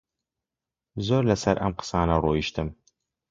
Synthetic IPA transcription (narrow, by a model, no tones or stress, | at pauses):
zoːɾlɐsɐɾʔɐ̰mqə̥sɑːnɐroːiʃt̪ɨm